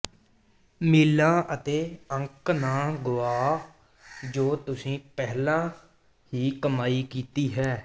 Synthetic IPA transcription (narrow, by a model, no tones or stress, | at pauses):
miːlãːʔət̪eːə̃ŋknaːɡʊaː | d͡ʒoːt̪ʊsĩːpɛɦlãː | hiːkəmaːiːkiːt̪iːɦɛː